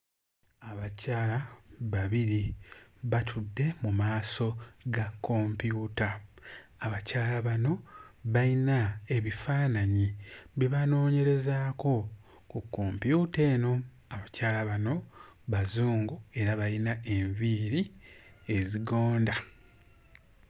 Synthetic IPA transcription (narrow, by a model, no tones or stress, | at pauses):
aβacaːlaβaβiɾiβatʰudːe̞mumaːso̞ɡakʰːo̞ːmpjuːtaː | βacaːlaβano̞βainae̞βifaːnaɲiβiβano̞ːɲe̞ɾe̞zaːko̞ | kukːo̞ːmpjute̞ːno̞ | aβacaːlaβano̞βazuːŋɡue̞ɾaβajinae̞ɱviɾie̞ziɡo̞ːnda